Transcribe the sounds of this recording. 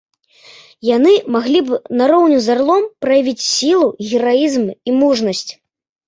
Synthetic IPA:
janɨmaɣlʲibnaɾɔwnʲuzarlˠɔmpɾɐjavʲit͡sʲsʲilˠuɣʲiɾajizmimuʐnɐsʲt͡sʲ

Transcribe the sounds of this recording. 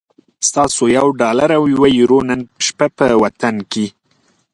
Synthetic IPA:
st̪ɑsojawɖɑlaɾawjwajiɾonənəʃpapəwat̪anke

